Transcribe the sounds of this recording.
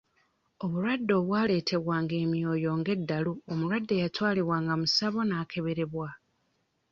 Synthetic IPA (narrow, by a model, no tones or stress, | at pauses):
o̞βuɾwadːo̞ːβwaːle̞ːtʰe̞βwaːŋɡe̞ːmjo̞ːjo̞ːŋɡe̞dːaluomuɾwadːe̞jatwaːliwaːŋɡamusaβo̞naːkʰe̞βe̞ɾe̞βwa